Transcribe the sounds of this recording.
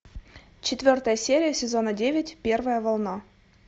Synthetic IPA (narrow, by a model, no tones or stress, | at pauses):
t͡ɕɪt̪vʲort̪əjəsʲeɾʲɪjəsʲezonədʲevʲɪtʲpʲervəjəvɑlˠnɑ